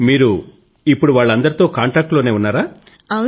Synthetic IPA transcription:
miːɾu | ipːuɽuʋaːɭːɐnd̪ɐɾit̪o̞ːkaːɳʈɾaːk̚ʈlo̞ːne̞ːunːaːɾaː | ɐ

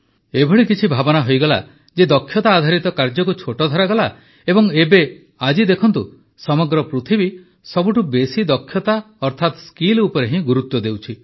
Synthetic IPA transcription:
ebʱɔɭikit͡ʃʰibʱabɔnaɦojɡɔla̰ | d͡ʒed̪ɔkʰːjɔt̪aːd̪ʱaɾit̪ɔkaɾd͡ʒɔkut͡ʃʰoʈɔd̪ʱɔɾaɡɔla | ebɔŋebe | ad͡ʒid̪ekʰɔnt̪u | sɔmɔɡɾɔpɾut̪ʰibi | sɔbuʈubesid̪ɔkʰjɔt̪a | ɔɾt̪ʰat̪skilupɔɾeɦĩɡuɾut̪wɔd̪ewt͡ʃʰi

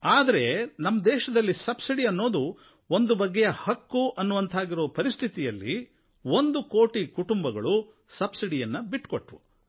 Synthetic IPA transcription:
aːd̪ɐɾe̞nɐmːɐd̪ɛːʃɐd̪ɐlːisɐbsiɽiɐnːo̞ːd̪u | ond̪ubɐɡːɛjɐhɐkːuʔɐnːuʋɐnt̪ʰaːɡiɾoːpɐɾist̪ʰit̪ijɐlːḭ | ond̪uko̞ːʈikuʈumbɐɡɐɭu | sɐbsiɽijɐnːɐbiʈkoʈʋṵ

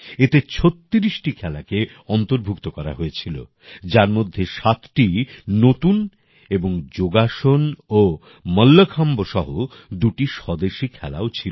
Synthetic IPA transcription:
et̪et͡ɕʰot̪ːiɾiʃʈikʰɛlake | ɔnt̪oɾbʱuk̚t̪okɔɾa̰ɦoet͡ɕʰilo̰ | d͡ʑaɾmod̪ʱːeʃat̪ʈinot̪un | eboŋd͡ʑoɡaʃono | məlːəkʰamboʃɔɦo | d̪uʈiʃɔd̪eʃikʰɛla̰ot͡ɕʰil

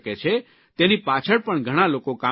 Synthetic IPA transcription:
ket͡ʃʰe | t̪enipat͡ʃʰəɭpəɳɡʱəɽ̃alokoka

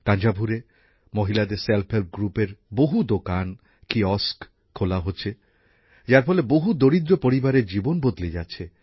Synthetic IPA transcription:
kand͡ʑabʱuɾe | moɦilad̪eɾselpʰhelp̚ɡɾupeɾboɦud̪okan | kiɔsk | kʰolaɦotːɕʰe | d͡ʑaɾfɔleboɦud̪oɾid̪ɾopoɾibaɾeɾd͡ʑibonbod̪led͡ʑatːɕʰe

